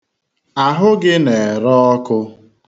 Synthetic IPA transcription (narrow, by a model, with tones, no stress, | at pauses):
a˨ɦʊ˦ɡɪ˦ne˨ɾɔ˦ɔ˦kʊ˦